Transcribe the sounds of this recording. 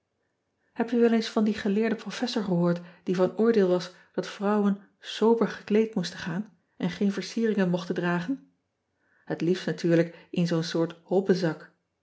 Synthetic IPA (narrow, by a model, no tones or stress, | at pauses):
hɛp̚tyʋɛlensfɑndiχəlɪːɹdəprofɛsɔɹχəɦʊːɹtd̥ivɑnʊːɹdɪːlˠʋɑs | d̥ɑtfrʌwən | sowbəɹχəklejtmustəχaːn | ʔɛnχejnvəɹsiːrɪŋənmɔχtəndraːχən | hətliftnatyːɹləkɪnzownsʊːɹthɔpəzɑk